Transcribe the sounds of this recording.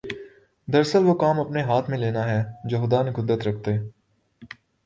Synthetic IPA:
d̪ɐɾsəlʋokaːmɐpneɦaːt̪ʰmẽleːnaɦɛːd͡ʒoːxʊd̪aːnekʊd̪ɾət̪ɾɐk̚ʰt̪eː

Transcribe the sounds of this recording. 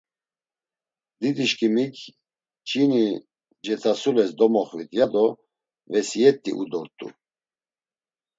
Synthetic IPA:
d̪id̪iʃkʰʼimikʰ | t͡ʃʼini | d͡ʒɛt͡sʰasulɛsd̪ɔmɔχvit̪ʰʼjad̪ɔ | vɛsijɛt̪ʼːḭʔṵd̪ɔɾt̪ʼṵ

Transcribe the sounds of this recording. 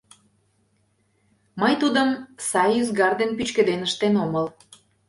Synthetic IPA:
mɤjt̪ud̪əmsɑjyzɡɑrd̪enpyt͡ɕkə̆d̪enəʃt̪enoməl

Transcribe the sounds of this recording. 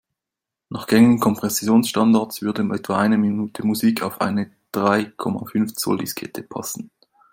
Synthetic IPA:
nʔaχɡ̥ɛŋən̩kʰɔmpʁ̥ɛsjoːnsʃtɑndaɐtsv̥ʏɐdəʔɛtv̥aʔaɪnəminuːtʰəmuziːkʰaʊfʔa̰ɪnə | d̥ʁaɪkʰɔma̰fʏnft͡sɔ̰ldiskʰɛ̰tʰəpʰɑ̰sn̩

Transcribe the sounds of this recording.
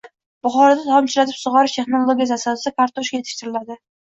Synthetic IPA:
b̥ʊχɒɾad̪at̪ʰɒmɪt͡ʃlat̪ʰɪpsʊʁɑɾɪʃt̪ʰeχnolˠoɡʲiazasasɪkʰaɾt̪ʰoʃkʲaje̞t̪ʰɪ̥ʃt̪ɪɾɪlad̪ɪ

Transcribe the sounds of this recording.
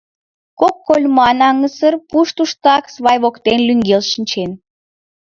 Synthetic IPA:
kokːolʲmɑnɑŋəsərpuʃt̪uʃt̪ɑksβɑjβokt̪enlʲyŋɡelʃinʲt͡ɕen

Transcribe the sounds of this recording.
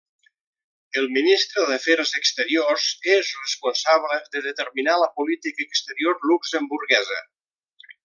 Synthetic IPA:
əlˠminist̪ɾəðəfɛɾzəkst̪əɾiorzezrəspunsaβləðəðət̪əɾminaləpulit̪ikəːkst̪əɾioɾlukzəmbuɾɣɛzə̰

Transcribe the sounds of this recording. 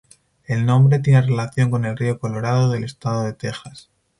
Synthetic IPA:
e̞lnõ̞mbɾe̞t̪̬jenere̞laθjo̞ŋko̞ne̞lrio̞ko̞lo̞ɾað̞o̞ðe̞le̞st̪aðoðe̞t̪e̞xas

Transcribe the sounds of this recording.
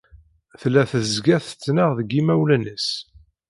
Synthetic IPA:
θlːæθəzɡæθət͡sːnəʁðəɡimæwlənəs

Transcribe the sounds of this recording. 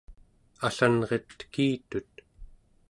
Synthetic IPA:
aɬanʁet̪ːə̥kiːt̪ut̪

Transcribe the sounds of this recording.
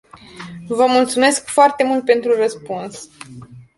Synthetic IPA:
vəmult̪sume̞skfoart̪e̞mult̪̚pe̞nt̪ɾurəspuns

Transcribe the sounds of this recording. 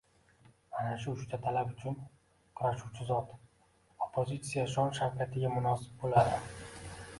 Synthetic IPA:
manaʃʊʊʃt̪ʰat̪ʰalabʊt͡ʃʰʊn | qʰɨɾaʃuwt͡ʃʰɪzɒt̪ | opʰːozʲit̪sijaʃɒnʃaɾkʲʰat̪ʰɪɡʲamʊnɒsɪ̥b̚bolad̪ɪ

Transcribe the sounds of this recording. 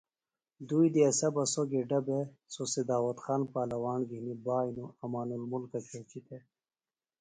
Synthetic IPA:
d̪ujd̪iɐsɐbɐsoɡeɖɐbesosed̪aːwɐt̪xaːnpaːlɐwaːnɡihnibaːjnuɐmaːnulmulkɐt͡ɕʰet͡ɕit̪ʰe

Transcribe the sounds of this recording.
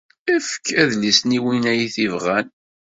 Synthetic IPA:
æfə̥kːæðlisniwinæjiθivʁæn

